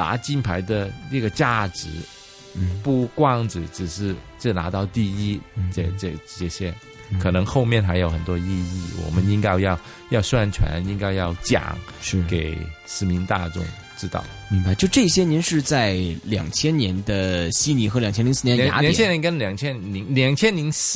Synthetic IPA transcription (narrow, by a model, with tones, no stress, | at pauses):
t̪a̰˧˥t͡ɕi˥˩npʰa˧˥ɪd̪ə˧nə˥˩ɡə˩t͡ɕja˥˧˩ʈ͡ʂɻ̩˧˥˩ | pu˥˧kwɑ˥˧ŋʈ͡ʂɻ̩˨˩ʈ͡ʂɻ̩˨˩ʂɻ̩˥˧ | t͡ɕə˥˩na̰˧˥t̪ɑ˥˧ʊt̪i˥˧i˥t͡ɕɛ˧˩t͡ɕə˥˧˩t͡ɕɛ˥˩ɕjɛ˥ | kʰɤ˨˩nɤ˧˥ŋxo˥˧ʊmjɛ˥˩nxa˧˥ɪjo˧ʊxə˨˩nt̪wɔ˥i˥˧i˥˩wɔ̰˨˩mə˦ni˥ŋka˥˧ɪjɑ˥˧ʊ | jɑ˥˧ʊswa˥˧˩nʈ͡ʂʰwa̰˧˥ni˥ŋka˥˧ɪjɑ˥˩ʊt͡ɕjɑ̰˨˩˦ŋʂ̩˥˩ke˨˩ɪʂɻ̩˧˥mi˧˥nt̪a˥˧ʈ͡ʂʊ̰˥˩ŋ | ʈ͡ʂɻ̩˥˧t̪ɑ̰˥˩ʊn̩˥˩˧t͡ɕjo˥˧ʊʈ͡ʂɤ˥˩ɕjɛ˥ni˧˥nʂɻ̩˥˧t͡sa˥˩ɪljɑ̰˨˩ŋt͡ɕʰjɛ˥nnjɛ˧˥nd̪ə˧ɕi˥ni˧˥xɤ˧˥lɑ˨ŋt͡ɕʰjnli˧˥s̩˥˩ɛ˧˥n˨a̰˧˥lŋ˩t͡ɕʰjɛ˥njɛ˧˥nkə˥nljɑ˨˩ŋt͡ɕʰjɛ˥nli˧˥ŋljɑ˨˩ŋt͡ɕʰjɛ˥nli˧˥ŋs